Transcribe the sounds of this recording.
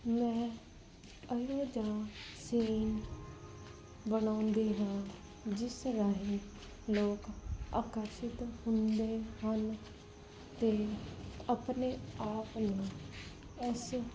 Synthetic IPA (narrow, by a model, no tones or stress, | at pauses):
mɛ̃ː | əjõːd͡ʒãːsiːn | bənãːʊnd̪iːɦãː | d͡ʒɪsɾaːɦĩː | loːka̰ːkəɾʃɪt̪hʊnd̪eːhən | t̪eːəpneːaːpnãː | ʊs